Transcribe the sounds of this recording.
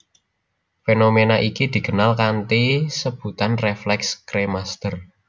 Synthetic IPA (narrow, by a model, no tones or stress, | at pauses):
fenomenaʔikid̪̥i̤ɡ̥ə̤nalkant̪isəb̥ut̪anreflɛkskɾemast̪ər